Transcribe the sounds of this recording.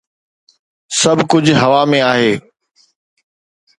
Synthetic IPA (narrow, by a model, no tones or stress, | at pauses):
sɐbʱkʊd͡ʑʱɦɐʋamẽaːɦeː